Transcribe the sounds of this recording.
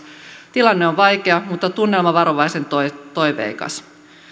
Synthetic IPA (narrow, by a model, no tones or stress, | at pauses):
t̪ilɑnːeoʋʋɑjkeɑmut̪ːɑt̪unːe̞lmɑʋɑɾo̞ʋɑjse̞nt̪ot̪o̞jʋḛikɑ̰s